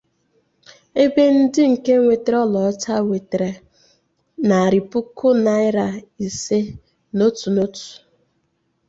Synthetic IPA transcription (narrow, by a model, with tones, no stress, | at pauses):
e˦be˦n̩˦dɪ˦ŋ̩˨ke˦ŋʷe˨te˨ɾɔ˦lɔ˨˦ta˦ŋʷe˨te˨ɾe˨ | na˨ɾɪ˨pʊ˦kʊ˦na˨˦ɪ˦ɾa˨i˨se˦ | no˦tu˨no˦tu̥˨